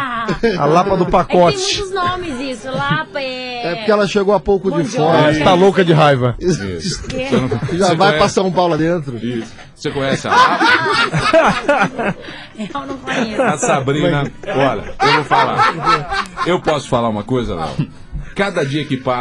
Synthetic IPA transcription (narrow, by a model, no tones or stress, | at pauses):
a̰lapɐd̪ʊpakɔt͡ʃɪ̥̃ʊznõmɪzisʊlapɐ | ɛpʊɾkeɛlɐʃeɡowapowkʊd͡ʒɪfɔɾɐst̪alokɐd͡ʒɪɦajvɐzḭssʒavajpasɐ̃ũpawlad̪ẽnt̪ɾʊisʊ̥ | sekõjɛsɪa̰lap | ɐnɐ̃fasabɾĩnɐɔʎɐ̰ewvowfala̰poɾkeewpɔsʊ̥falaɾũmɐkojzɐ̰lɛ̰w | kad̪ɐd͡ʒiɐkɪpa